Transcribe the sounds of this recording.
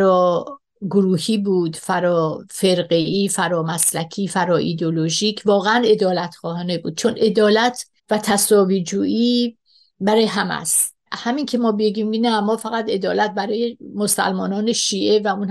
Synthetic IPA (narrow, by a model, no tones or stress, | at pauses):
ɾɒː | ɡoɾuːhiːbuːd̪fæɾɒːfe̞ɾɢeiːfæɾɒːmæslækʰiːfæɾɒːʔiːd̪eoloʒiːcʰvɒːɣeæne̞d̪ɒːlæt̪χɒːhɒːne̞buːd̪̚t͡ʃʰonʔe̞d̪ɒːlæt̪ʰ | væt̪ʰæsɒːviːd͡ʒuːʔiː | bæɾɒːjeɦæmæ̰st̪ | hæmincʰemɒːbeɡiːmkinæmɒːfæɣæt̪e̞d̪ɒːlæt̪̚bæɾɒːjemosæ̰lmɒːnɒːneʃiːʔevæun